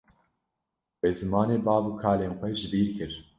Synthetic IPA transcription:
weːzɨmɑːneːbɑːvuːkʰaːleːnxʷɛʒɪbiːɾkʰɨɾ

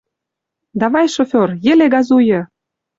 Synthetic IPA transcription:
d̪ɑβɑjʃofʲorjĕleɡɑzujɤ̆

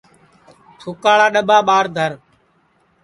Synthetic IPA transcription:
tʰʊkaːɭaːɗəɓaːɓaːɾd̪ʱəɾ

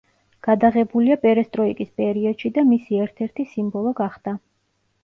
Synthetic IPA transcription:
ɡ̥ad̪aʁɛbuliapʼɛɾɛst̪ʼɾɔikʼispʼɛɾiɔd̪̥ʃid̪amisiɛɾt̪ʰɛɾt̪ʰisimbɔlˠɔɡaχd̪̥a

